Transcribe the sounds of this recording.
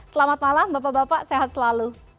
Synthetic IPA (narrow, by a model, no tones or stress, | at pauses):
səlamat̪̚malambapaʔbapaʔseɦat̪̚səlalu